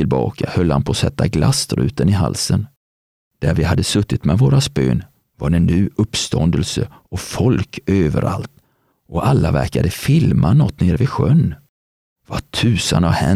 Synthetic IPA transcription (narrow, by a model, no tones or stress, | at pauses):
ɪlbɑːkʰahœlːhanpʰɔsɛt̪ːaɡlast̪ɾʉ̟ːt̪ənɪɦa̰lsən | d̪̥æɾvɪhad̪ːəsɵt̪ːɪt̪mɛvoːɾaspø̰ːn | vaɾɛnːyːɵpːst̪ʰɔnd̪əlsə | ɔfɔlkøːvə̰ɾʔa̰lt̪ | ʔɔʔalːavæɾkad̪əfɪlmʔanɔt̪ːneːɾvɪɧœnː | vatʰʉ̟ːsənavhɛ